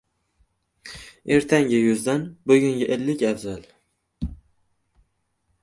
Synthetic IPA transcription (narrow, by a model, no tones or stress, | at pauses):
eɾt̪ʰaŋɡʲɪjʊzd̪anbɵɡʲʊŋɡʲaʔelːɪkʲavzal